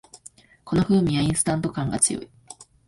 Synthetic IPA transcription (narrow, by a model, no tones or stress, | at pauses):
ko̞no̞ɸɯ̟ːɲ̟iaĩɰ̃sɨ̥t̪ãnt̪o̞kãŋɡat͡sɨjo̞̰i